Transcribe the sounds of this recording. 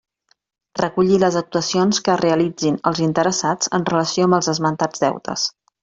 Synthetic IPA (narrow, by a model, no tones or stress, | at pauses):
rəkuʎiləzək̚t̪uəsionskəreəlid͡zinəlˠzint̪əɾəsad͡zənrələsioəmbəlˠzðəzmənt̪ad͡zd̪ɛ̰wt̪ə̰s